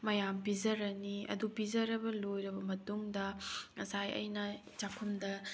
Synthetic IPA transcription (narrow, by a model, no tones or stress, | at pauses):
mɐjampizɐɾɐniɐ̰dupizɐɾɐbɐlojɾɐbɐmɐtuŋdɐɐsajɐ̰jnɐ | t͡ʃakʰumdɐ